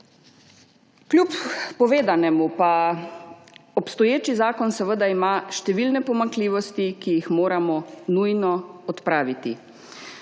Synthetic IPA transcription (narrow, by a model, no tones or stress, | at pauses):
klʲuppɔʋeːd̪anɛmupa | ɔpst̪ɔjeːt͡ʃizaːkɔnsɛʋəd̪aimaʃt̪ɛʋilnɛpɔmaŋkliːʋɔst̪ikijixmoːɾamɔnujnɔɔt̪pɾaːʋit̪i